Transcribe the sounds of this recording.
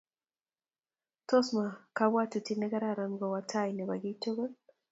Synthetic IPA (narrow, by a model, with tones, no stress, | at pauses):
tɔ˦sma˨ka˦ba˦tu˨ti˦nɛ˦ɡa˦ɾa˨ɾa˨nɡɔ˨wa˨tʰa˦jnɛ˨ba˨ɡɪ˦to˦ɡo˦l